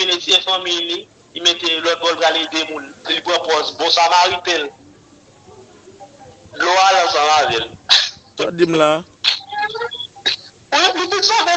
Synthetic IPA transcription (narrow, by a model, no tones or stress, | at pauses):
inesiɛ̃fʌ̃mijni | imet̪elɔt̪̚ɡɔlpɣalid̪emũnpilipɣɐ̃pɔzbɔ̃samaɣit̪el | loalãsãlavɛlsadim̩la | wɛlitusãmɛ